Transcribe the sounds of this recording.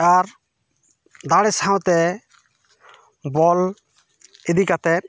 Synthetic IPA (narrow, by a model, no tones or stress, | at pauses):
aɾ | d̪aɽɛsãw̃t̪ɛ | bɔl | ed̪ikat̪ɛ